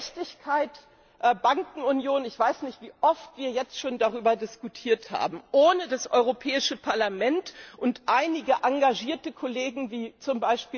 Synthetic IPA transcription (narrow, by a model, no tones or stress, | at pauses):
tɪçkʰaɪt | ʔbaŋkŋ̩ʊnjoːnɪçv̥aɪsnɪçtv̥iːʔɔftv̥iːɐjɛt͡stʃoːndaʁ̞yːbɐdɪskutʰiːɐtha̰ːbm̩ʔoːnədasʔɔʏʁ̞opʰɛːɪʃəpʰaɐlamɛntʔʊntʔaɪnɪɡəʔaŋɡaʒiːɐtəkʰoleːɡŋ̩viːt͡sʊmbaɪʃpiː